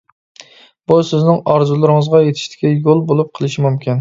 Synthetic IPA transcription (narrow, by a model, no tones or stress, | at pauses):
b̥usɪznɪŋɑɾzulˠɪɾɪŋɨzʁɑjet̪ʰɪ̥ʃt̪ʰɪ̥kʲɛjolˠbolˠʊp̚qʰəlˠɪʃɪmumkʲʰin